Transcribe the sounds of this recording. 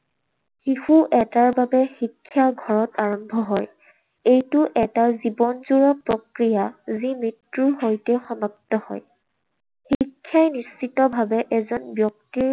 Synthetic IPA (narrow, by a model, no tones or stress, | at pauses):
xixuʔɛtaɹbabɛxikʰːjaɡʱɔɹɔtaɹɔmbʱɔɦɔj | ejtʊʔɛtaɹzibɔnzuɹapɹɔkɹijazimɹitɹuɦojtɛxɔmɔk̚tɔhɔ̰j | xikʰːjajnisitɔbʱabɛʔɛzɔnbjɔk̚tiɹ